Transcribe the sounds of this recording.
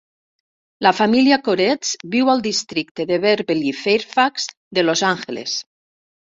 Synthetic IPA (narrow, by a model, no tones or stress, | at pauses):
lafamiliakoɾet͡sbiwalˠd̪ist̪ɾik̚t̪eðeβeɾβelifeɾfakz̥ | d̪elozaŋxelḛs